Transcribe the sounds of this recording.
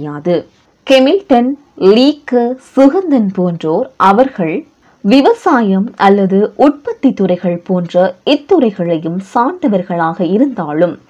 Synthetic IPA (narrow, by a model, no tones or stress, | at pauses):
jaːðɯ | kɛmɪlʈɐn | liːkːsʊɣɐnd̪ɐnpoːndroːɾʔɐʋɐɾɣɐɭ | ʋɪʋɐsaːjɐmʔɐlːɐðɯʔʊʈ̚pɐt̪ːit̪ːɯrɐɪɣɐɭpoːndrɐɪt̪ːɯɾɐɪɣɐɭɐjɯmsaːɳd̪ɐʋɐɾɣɐɭaːɣɐɪɾɯnd̪aːɭɯm